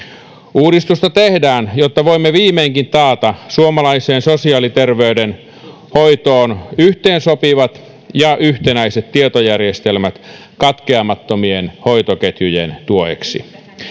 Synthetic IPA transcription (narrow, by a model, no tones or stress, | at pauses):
uːɾist̪ust̪ɑt̪ehdæːnjot̪ːɑʋoimːeʋiːmeːŋkint̪ɑːt̪ɑsuomɑlɑiseːnsosiɑːlit̪erʋeyden | hoit̪oːnyht̪eːnsopiʋɑt̪ | jɑʔyht̪enæiset̪t̪iet̪ojærjest̪elmæt̪ | kɑt̪keɑmɑt̪ːomienhoit̪oket̪jyjḛnt̪uoḛksḭ